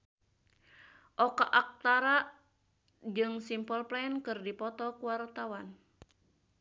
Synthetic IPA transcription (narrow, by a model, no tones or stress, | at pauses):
ʔɔkaʔak̚t̪aɾaʔ | d͡ʒɨŋsimpɔlplaɛnkɨrdipɔt̪ɔkuwart̪awan